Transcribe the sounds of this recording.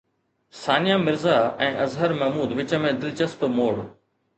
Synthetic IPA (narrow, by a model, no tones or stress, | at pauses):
saːnijamɪɾzaɛ̃ːʔɐzɦəɾmɐɦmuːd̪ʋɪt͡ɕə̆mẽd̪ɪlt͡ɕəsp̪moːɽ